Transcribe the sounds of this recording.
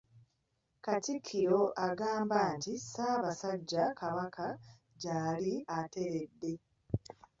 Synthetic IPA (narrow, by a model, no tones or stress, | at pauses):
katikʰːiɾo̞ʔaɡaːmbaːntisaːβasaɟːakaβakʰa | ɟaːliate̞ɾedːe̞